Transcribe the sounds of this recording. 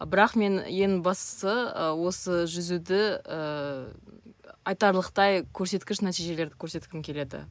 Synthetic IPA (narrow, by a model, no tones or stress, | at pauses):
bɪɾɑqme̞nje̞ŋbɑst̪ə̥səwo̞səʒʏzud̪ɪə | ɑjt̪ɑɾlˠəqt̪ɑjkʲʰɵɾse̞t̪kʲɪʃnæt̪ijʒe̞le̞ɾd̪ɪkʲʰɵɾse̞t̪kʲɪmkʲʰe̞le̞d̪ɪ̰